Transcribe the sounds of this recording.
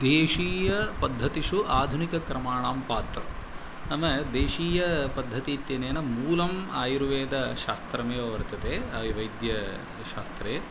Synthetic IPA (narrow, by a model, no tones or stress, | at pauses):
d̪eːʂiːjɐpɐd̪ʱːɐt̪iʃuʔaːd̪ʱunikɐkɾɐmaːɳaːmpaːt̪ɾɐ̰ | ɐmɐd̪eːʃiːjɐpɐd̪ʱːɐt̪iːt̪jeːneːnɐmuːlɐma̰ːjiɾuʋeːd̪ɐʃaːst̪ɾɐmeːʋɐʋɐɾt̪ɐt̪eːɐʋiʋɐjd̪jɐ | ʃaːst̪ɾeː